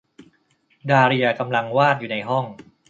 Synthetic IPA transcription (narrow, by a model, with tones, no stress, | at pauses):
daː˧ɾi˧ɐka˧mla˧ŋwaː˥˩t̪̚juː˨˩na˧jɦɔ˥˩ŋ